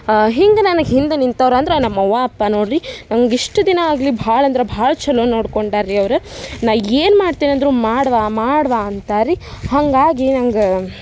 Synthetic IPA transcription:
ɦiŋɡenɐnɐɡɦind̪enint̪ɐʋɾɐnd̪ɾenɐmːɐʋaːpːanoːɽɾinɐmɐɡiʂʈɐd̪inɐaːɡɐlibʱaːɭɐnd̪ɾebʱaːɭɐt͡ʃɐlonoːɽkoɳɖaːɾiɐʋɾunaːʋeːnmaːɽt̪iːniɐnd̪ɾumaːɽʋaːmaːɽʋaɐnt̪aːɾi | hɐŋɡaːɡinɐŋɡe

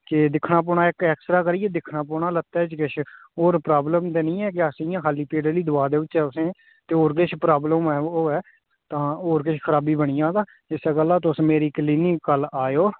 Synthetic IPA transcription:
kɪd̪ɪkʰnaːp̬oːɳaːɪkɛːksɾaːkəɾiːɛːd̪ɪkʰnaːp̬oːɳaːlət̪ːɛːt͡ʃkɪʃʰoːɾpɾaːbləmt̪eːnĩːɛːk̬ɪəsĩːjãːkʰaːliːpeːɖəɾliːd̪ʊaːd̪eːʋɪt͡ʃːɛːʊsẽː | t̪eːoːɾkɪt͡ʃʰpɾaːbləmɛːoːɛː | t̪ãːoːɾk̬ɪt͡ʃʰkʰəɾaːbiːbəɳ̃ijãːd̪aː | ɪsɛɡəlːaːt̪̬ʊsmeːɾiːkliːnɪkːəlaːjoː

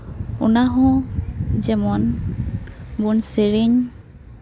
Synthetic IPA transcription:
ṵnaɦɔ̃ | zɛmɔn | bunseɹeɲ

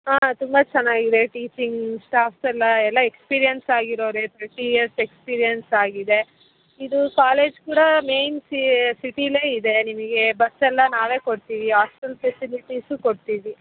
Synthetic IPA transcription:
aːt̪umbɐt͡ʃɛnːaːɡid̪e̞ʈiːt͡ʃiŋɡsʈaːpsɛlːɐɛlːɐekspiːɾijɐnsaːɡiɾoːɾet̪ʰɐɾʈijɐɾsekspiːɾijɐnsaːɡid̪e̞ | id̪ukaːle̞ːd͡ʒkuːɽɐme̞jnsisiʈileːid̪e̞nimɐɡe̞bɐsɛlːɐnaːʋe̞ːko̞ɽt̪iːʋiɦaːsʈɐlpʰesiliʈisukoɽt̪iːʋi

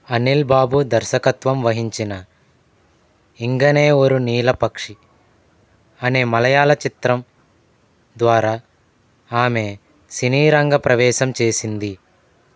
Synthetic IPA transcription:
ɐnilbaːbud̪ɐɾʃɐkɐt̪ʋɐmʋɐɦiɲt͡ʃinɐ | iŋɡɐne̞ːoɾuniːlɐpɐkʂi | ɐne̞ːmɐlɐjaːlɐt͡ʃit̪ɾɐm | d̪ʋaːɾaː | aːme̞ | siniːɾɐŋɡɐpɾɐʋɛːʃɐmt͡ʃe̞ːsind̪i

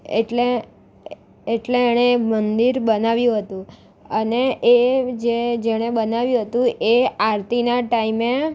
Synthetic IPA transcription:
ḛʈle | eʈleːɽ̃emənd̪iɾbənaʋjũɦət̪ũ | əneed͡ʒed͡ʒeɽ̃ebənaʋjũɦət̪ũʔeaɾt̪inaʈaime

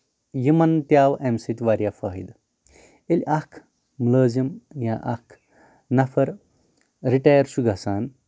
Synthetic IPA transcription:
jimɐnt̪jaːwʔemsit̪ʲʋɐɾjaːfɐːɦid̪ | elʲʔɐkʰ | mləːzɐmjãːʔɐkʰ | nɐfʰɐɾ | ɾiʈaːjɐɾsuɡʱɐsaːn

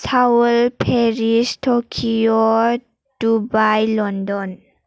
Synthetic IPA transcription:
sʰawlpʰeɹistʰɔkʰiɔ | d̥ubajlɔndɔn

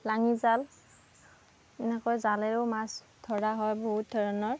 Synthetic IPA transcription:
laŋizal | ɛnɛkɔjzalɛɹʊmas | dʰʱɔɹaɦɔjboɦut̚dɔɹɔnɔɹ

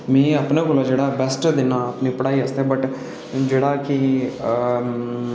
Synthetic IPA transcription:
mɛ̃ːəpnẽkoːlaːd͡ʒeːɽaːbɛsʈd̪ɪnãːəpniːpəɽaːiːəst̪eːbəʈ | d͡ʒeːɽaːkɪ

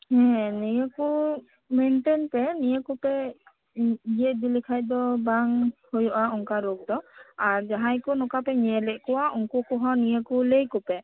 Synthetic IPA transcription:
hɛ̃nijɛku | menʈenpɛnijɛkɔpɛ | ijɛʔd̪ilikʰajd̪ɔbaŋhojɔʔaɔŋkaɾok̚d̪ɔaɹd͡ʒaɦãjkɔnɔkapɛɲɛlɛʔkɔwaʔuŋkɔkɔɦɔnijɛkulejkɔpɛ

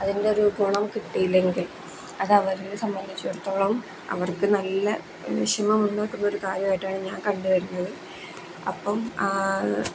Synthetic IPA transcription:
ɐðinde̞o̞ɾuɡuːɳɐmkiʈːijilːe̞ŋɡil | ɐðɐʋɐɾilsɐmbɐnd̪ʱit͡ɕːuoɽut̪ːo̞ːɭɐm | ɐ̰ʋɐrkɨnɐlːɐ | ʂimɐmuɳɖaːkːunːɐo̞ɾukaːɾjɐmaːjiʈːaːɳɨɲaːnkɐɳɖuɣɐɾunːɐðɨ | ɐ̰pːɐmaː

